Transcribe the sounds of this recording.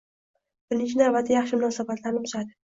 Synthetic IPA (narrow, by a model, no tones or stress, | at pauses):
b̥ɪɾɪnt͡ʃʰɪnabat̪ʰːɪjɑχʃɪmʊnɒsabat̪ʰlaɾnɪt̪ʰʊ̥ʃad̪ɪ